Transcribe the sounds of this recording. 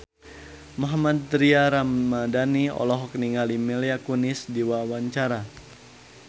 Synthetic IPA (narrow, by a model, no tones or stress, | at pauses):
maɦamad̪̚ɾiaɾammadaniɔ̰lɔɦɔk̚niŋalimɛliakunɪsdiwawaɲt͡ʃaɾa